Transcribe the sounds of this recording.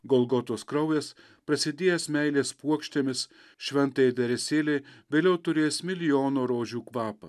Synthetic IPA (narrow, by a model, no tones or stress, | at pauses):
ɡɔlˠɡɔt̪oːskɾɐʊjɛs | pɾɐsʲɪd̪ʲeːjɛsmʲɛɪlʲeːspuɔkʃʲt̪ʲeːmʲɪs | ʃʲʋʲɛnt̪ɐjd̪ʲɛɾʲɛsʲeːlʲɛɪʋʲeːlʲɛʊt̪ʊɾʲeːsmʲɪlʲɪjoːnoːɾoːʒʲuːkʋɑːpɐ̰ː